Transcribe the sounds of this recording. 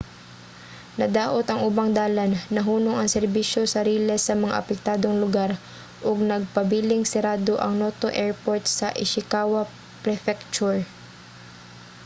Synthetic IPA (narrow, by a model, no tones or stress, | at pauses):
nɐd̪aːʔot̪ɐŋʊbaŋd̪aːlɐnːɐɦuːnoŋɐŋsɛɾbiʃo̞sɐɾiːlɛsɐmɐŋa̰ʔɐpɛk̚t̪aːd̪o̞ŋlʊɡaɾ | ʔoɡ̚nɐɡ̚pɐbiːlɪŋsɛɾaːd̪oʔɐŋnot̪oʔɛɹpoɹt̪̚sɐʔɪʃɪkaːwɐ | pɾɛfɛkt͡ʃuɹ